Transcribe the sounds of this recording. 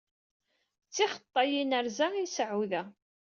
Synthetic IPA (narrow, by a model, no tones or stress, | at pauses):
t͡sːiχə̥t̪ˤːɑjinəɾzaisʕuðæ